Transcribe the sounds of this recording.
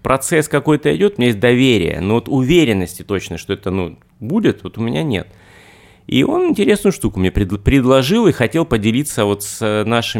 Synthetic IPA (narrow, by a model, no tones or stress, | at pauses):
pɾʔɐt̪sɛskɐko̞jt̪əɪ̰dʲo̞t̪ʊmʲɪnʲjesʲt̪̚ʲd̪ɐvʲeɾʲɪ̰jə̰novot̪ʊvʲeɾʲɪnːəsʲtʲɪt̪o̞t͡ɕnəʂt̪oɛt̪ənu | budʲɪt̪vo̞t̪ʊmʲɪnʲanʲḛt̪ | ḭʔo̞nɪnʲtʲɪɾʲe̞snʊjʊʂt̪ukʊmɪnʲepɾʲɪd̪pɾʲɪd̪lˠɐʐɨlˠixɐtʲe̞lˠpədʲɪlʲit̪səvo̞t̪sʲnaʂɨ